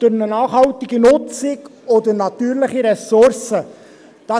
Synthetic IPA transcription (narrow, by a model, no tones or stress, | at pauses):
d̥ʊɾnənɑːχhɑlt̪ɪɡinʊt͡sɪɡɔd̪əɾnɑt̪yːɾlɪχiɾɛsʊɾsə | d̪̥ɑ